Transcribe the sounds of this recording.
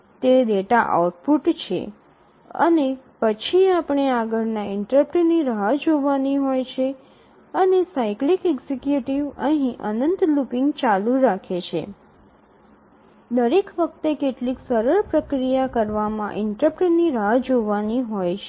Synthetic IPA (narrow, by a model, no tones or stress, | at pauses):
t̪ed̪eʈaʔa̰wʈpuʈt͡ʃʰḛ | ə̰nepət͡ʃʰiapɳ̃eaɡəɾnaɪɳʈɾəpʈniɾɦad͡ʒoʋaniɦojt͡ʃʰe | ənesaiklikɛɡzekjuʈiʋəɦĩʔə̰nənt̪lupiŋɡt͡ʃaluɾakʰet͡ʃʰḛ | d̪əɾekʋək̚ʰt̪ekeʈliksəɾəɾpɾəkɾijakəɾʋamã̰ʔɪɳʈɾəpʈniɾad͡ʒoʋaniɦojt͡ʃʰe